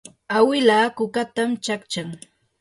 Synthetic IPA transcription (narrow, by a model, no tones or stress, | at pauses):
awɪlaːkʊkat̪amt͡ʃakt͡ʃaŋ